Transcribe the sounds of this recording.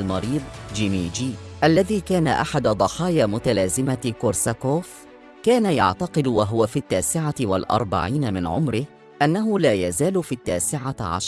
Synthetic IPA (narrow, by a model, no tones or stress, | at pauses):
lmɑɾiːd̪ˤd͡ʒɪmiːd͡ʒiːʔalːaðiːkaːnaʔa̰ħad̪ad̪ˤɑħɑːjaːmʊt̪alaːzɪmakʊɾsakoːf | kaːnajɑ̰ʕt̪ɑqɨd̪waɦʊwafiːt̪ːaːsɪʕawa̰lʔɑ̰ɾˤba̰ʕiːnamɪnʕʊ̰mɾɪh | ʔanːaɦʊlaːjazaːlʊfiːt̪ːaːsɪʕaʕa̰ʃɾˤ